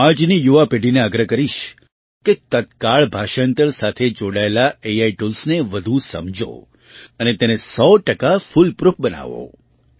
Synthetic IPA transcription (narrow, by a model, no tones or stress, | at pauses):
ãd͡ʒnijuʋapeɖineaɡɾəkəɾiʃ | kekət̪kaɭbʱaʃənt̪əɾsat̪ʰed͡ʒoɽaelaeaiʈulsneʋəd̪ʱusə̰md͡ʒo̰ | ənet̪ɛnesɔʈəkafulpɾup̚ʰbəna̰ʋo̰